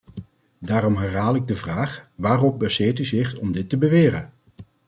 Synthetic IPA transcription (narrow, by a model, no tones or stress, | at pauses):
daːɾɔmɦɛɹɦaːlˠɪɡ̚dəvraːχʋaːrɔp̚bəsɪːɹtyzɪχɔmdɪtːəbəʋɪːrən